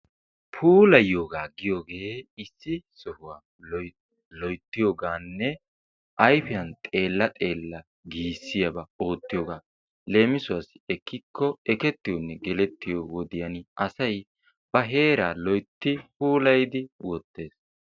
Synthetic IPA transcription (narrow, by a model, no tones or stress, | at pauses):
pʰuːlɐjo̞ːɡaːɡɪjoːɡe̞ːɪsːɪsɔhʊwaː | lɔjt̪ːɪjoːɡaːnːɛ | ʔɐjfɪjɐnt̪ʼe̞ːlːɐt̪ʼe̞ːlːɐ | ɡiːsːɪjɐbɐo̞ːt̪ːɪjoːɡaː | le̞ːmɪsʊwas | ɛkːɪkʰːɔɛkɛt̪ːɪjɔnːɛɡɛlɛt̪ːɪjowɔd̪ɪjɐnʔɐsɐj | bɐɦe̞ːɾaːlɔjt̪ːɪpuːlɐjd̪ɪwɔt̪ːe̞ːs